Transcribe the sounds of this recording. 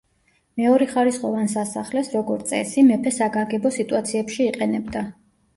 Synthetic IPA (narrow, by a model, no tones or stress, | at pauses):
mɛɔɾɛχaɾisχɔvansasaχlɛsɾɔɡɔɾt̪sʼɛ̰simɛpʰɛsaɡaɡɛbɔsit̪ʼuat̪sʰiɛpʃiːqʼɛnɛbd̪a